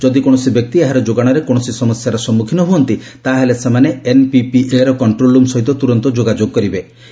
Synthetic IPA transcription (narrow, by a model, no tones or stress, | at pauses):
d͡ʒɔd̪ikoɽ̃ɔsibjɔk̚t̪ieɦaɾɔd͡ʒoɡaɽ̃ɔɾekoɽ̃ɔsisɔmɔsjaɾɔsɔmːukʰinɔɦuɔnt̪i | t̪aɦelesemaneenpipiʔeɾɔkɔɳʈɾolumsɔɦit̪ɔt̪uɾɔnt̪ɔd͡ʒoɡad͡ʒoɡ̚kɔɾibe